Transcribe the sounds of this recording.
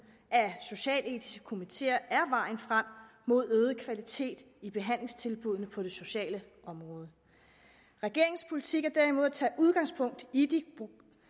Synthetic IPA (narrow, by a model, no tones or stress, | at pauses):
ʔæso̝ɕɛ̰ːle̝̰ːdʰi̥sɡ̥ə̥kʰo̝mit͡sʰe̝̰ːɐʔæɐʋɑ̈ɪ̰nfʁam̰mo̝ð̞̰ˠøːð̞ˠəkʰʋælit͡sʰe̝̰ːd̥ | ib̥e̝ɦæn̰le̝ŋst͡sʰe̝lb̥uð̞ˠnəpʰɒ̽ɾ̥e̝so̝ɕɛ̰ːləʔɒ̽mʁɔ̽ːð̞ˠə | ʁɛɡ̥e̝ɐe̝ŋspʰo̝lit͡sʰiɡ̥æɐd̥æɐ̰imo̝ð̞̰ˠæt͡sʰɛ̰ːʔuð̞ˠɡ̥ɑ̈ŋspʰɔ̽ŋ̰d̥id̥i